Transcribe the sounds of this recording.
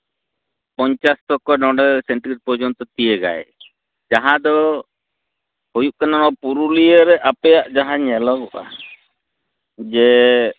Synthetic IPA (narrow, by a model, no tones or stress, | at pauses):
pɔɲt͡ʃast̪ɔkɔnɔɖɛlsɛɳʈɾiɾ̚pɔd͡ʒɔnt̪ɔt̪ijeɡa̰jɛ | d͡ʒaɦãd̪ɔ | hujuʔkanaɾɔpuɾulijəɾɛʔapɛjaʔd͡ʒaɦãɲɛlɔɡɔʔa̰ | d͡ʒɛ